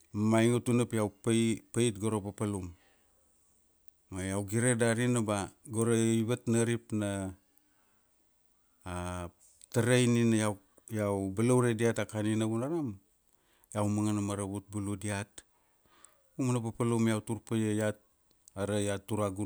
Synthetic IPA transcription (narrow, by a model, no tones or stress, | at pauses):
majŋutunapjawppaitɡoɾopapalum | ajawɡiɾedaɾinabaɡoɾeiβatnaɾipna | taɾejninaja | jawbalawɾediatakaninaβunaɾam | jawmaŋanamaɾaβut̚buludiat | umanapapalumjawtuɾpajejat̚ | aɾajatːuɾaɡu